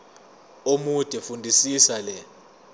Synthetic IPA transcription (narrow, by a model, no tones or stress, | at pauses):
omud̥ʼʱɛfundʱisisalɛ